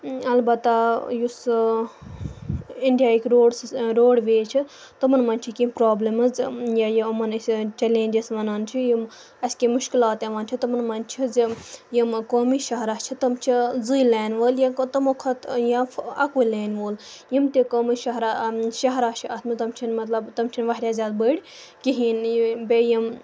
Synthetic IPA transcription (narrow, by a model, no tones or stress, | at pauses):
ɐlbɐt̪ːajus | iɳɖijaːikɾoːɽsɾoːɽʋeːt͡ʃʰi | t̪ɐmɐnmɐnʲt͡ʃʰikimpɾaːblimɐzjajimɐnst͡ʃelẽːnʲd͡ʒisʋɐnant͡ʃʰijim | ɐskemuʃkilaːt̪eʋɐnt͡ʃʰit̪ɐmɐnmɐnt͡ʃʰizjimkoːmiʃɐɦɾaːt͡ʃʰit̪ɐmt͡ʃʰizɨːjleːnʋəːljɐt̪ɐmokʰɐt̪jaɐkuleːnʋoːl | jimt̪ekoːmiʃɐɦɾaʃɐɦɾaːt͡ʃʰiɐt̪ʰmit̪ɐmt͡ʃʰinmɐt̪lɐbt̪ɐmt͡ʃʰinʋɐɦɾʲjaːzʲaːd̪̚bəːɽʲ | kiɦiːnbejim